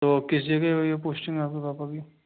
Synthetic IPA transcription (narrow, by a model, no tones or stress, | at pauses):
t̪oːkɪsd͡ʒəɡeoepoːsʈɪ̃ŋɡaːp̚kibaːpaki